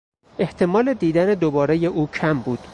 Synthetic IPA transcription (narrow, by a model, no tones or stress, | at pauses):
ʔe̞ht̪ʰe̞mɒːle̞d̪iːd̪æned̪obɒːɾe̞je̞ʔuːcʰæmbuːd̪̥